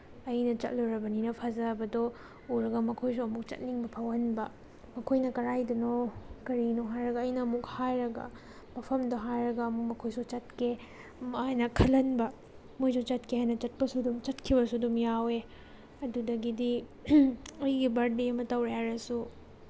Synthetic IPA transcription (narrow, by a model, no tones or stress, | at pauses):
ɐjnɐt͡ʃɐ̰t̚luɾɐbɐninɐpʰazɐbɐdɔ | uɾɐɡɐmɐkʰojs̬uɐmuk̚t͡ʃɐ̰t̚niŋbɐpʰawɐnbɐ | mɐkʰojnɐkɐɾajdunɔkɐɾinoɦajɾɐɡɐːjnɐːmukhajɾɐɡɐ̰ | mɐpʰɐmdoɦajɾɐɡɐːmuk̚mɐkʰojsut͡ʃɐtkʰe | majnɐkʰɐlɐnbɐ | mojsut͡ʃɐt̚kʰeɦajnɐt͡ʃɐt̚pɐsudumt͡ʃɐt̚kʰibɐsuɐdumjawe | ɐdudɐɡidi | ɐjɡibɐɾdiɐmɐtɐwɾejaɾɐsu